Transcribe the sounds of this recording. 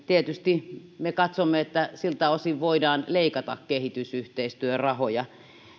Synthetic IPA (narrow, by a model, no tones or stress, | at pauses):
t̪iet̪yst̪imekɑt̪somːeet̪ːæsilt̪æosiʋʋoidɑːnleˑikɑt̪ɑkkehit̪ysyht̪eist̪yørɑhojɑ